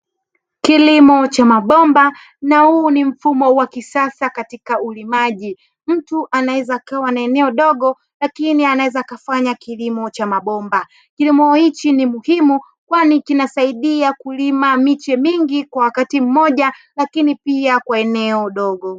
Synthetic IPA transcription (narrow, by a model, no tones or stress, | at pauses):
kilimɔt͡ʃamaɓɔmba | nahuːnim̩fumɔwakisasakatikaulimaʄi | m̩tuʔanawɛzaːkawanaɛnɛɔɗɔɠɔ | lakinianawɛzaːkafaɲakilimɔt͡ʃamaɓɔmba | kilimɔhit͡ʃinimuhimu | kwanikinasaiɗiakulimamit͡ʃɛmiŋɡikwawakatim̩mɔʄalakinipiakwaɛnɛɔɗɔɠɔ